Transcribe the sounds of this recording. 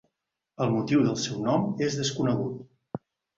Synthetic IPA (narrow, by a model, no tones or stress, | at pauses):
əlˠmut̪iwðəlˠsɛwnɔmezðəskunəɣut̪̚